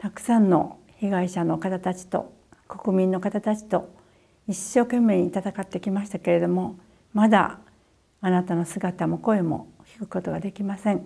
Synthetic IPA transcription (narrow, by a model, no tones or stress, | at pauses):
t̪akɯ̟̥sãnːo̞̰ | çiɡaiɕano̞kat̪at̪at͡ɕi̥t̪o̞̰ | ko̞kɯ̟mʲĩnːo̞kat̪at̪at͡ɕi̥t̪o̞ | iɕːo̞ːkẽ̞mːe̞ɲiːt̪at̪akat̪ːe̞kʲimaɕi̥t̪ake̞ɾe̞d̪o̞mo̞ | mad̪a̰ | anat̪ano̞sɨɡat̪amo̞ko̞e̞mo̞̰kʲi̥kɯ̟̥ko̞t̪o̞ɡad̪e̞kʲimasẽ̞ŋ